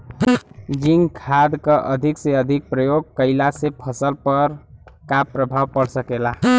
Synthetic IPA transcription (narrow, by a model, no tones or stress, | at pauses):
d͡ʒiŋɡkʰad̪kəʔəd̪ʱikseəd̪ʱik̚pɾəjoɡ̚kəɪlasepʰəsəlpəɾkapɾəbʱawpəɽsəkela